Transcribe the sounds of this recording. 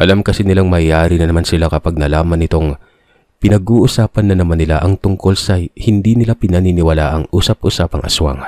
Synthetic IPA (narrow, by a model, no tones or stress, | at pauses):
ʔɐlamkɐsinɪlaŋmɐaːɾinɐnɐmansɪlakɐpaɡ̚nɐlaːmɐnːɪt̪o̞ŋ | pɪnɐɡʔuːʔʊsaːpɐnːɐnɐmanːɪlaʔɐŋt̪ʊŋko̞lsɐhɪnd̪inɪlapɪnɐninɪwɐlaʔɐŋʔuːsɐp̚ʔʊsapɐŋʔɐ̰swa̰ŋ